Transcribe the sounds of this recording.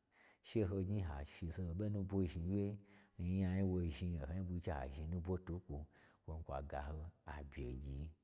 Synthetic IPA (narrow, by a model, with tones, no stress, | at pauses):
ʃe˦ɦo˧ɡʲi˦ɦa˨ʃi˧se˧o˧be˦nũ˦bʷo˧ʒi˧wʲe˦˧˦ja˧ɲi˦wo˧ʒi˧e˨ho˧ɲi˦bu˧˦t͡ʃe˦ha̰˨ʒi˧˦nũ˦bʷo˦tu˨˦kʷo˧wo˧n̩˦kʷa̰˨ɡa˨ɦo˧a̰˨bʲjḛ˨ɡʲi˨˦